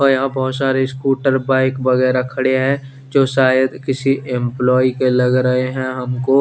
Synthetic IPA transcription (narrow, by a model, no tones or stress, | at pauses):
ɔːɾjɐɦãbɔɦt̪saːɾeskuːʈəɾbaːɪkbɐɣɛːɾakʰɐɽeɦɛ̃ | d͡ʒoːʃaːjəd̪kɪsiʔɪ̃mplɔːikelɐɡɾɐɦeɦɛ̃ɦɐmko